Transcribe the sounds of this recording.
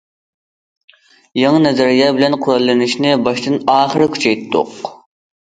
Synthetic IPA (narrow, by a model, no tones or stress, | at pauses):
jɑŋɨnɛzæɾijɑːbɪlɛnqʰʊɾɑlˠːɨnɪʃnɪbɑʃt̪ɨnɑːχəɾɪkʲʰy̥t͡ʃʰɛjt̪ːʊ̰q